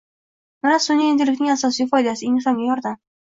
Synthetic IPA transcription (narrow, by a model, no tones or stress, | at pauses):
manasʊnːiend̪ɪlɪkʲnɪŋasɒsijfɒjd̪asɪeŋnɨsɒmɡʲajɒɾd̪am